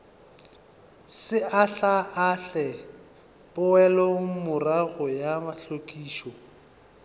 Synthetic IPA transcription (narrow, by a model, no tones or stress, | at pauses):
sɪʔaɬaʔaɬɛ | pʼʊɛlɔmʊraɣɔjamaɬokʼiːʃɔ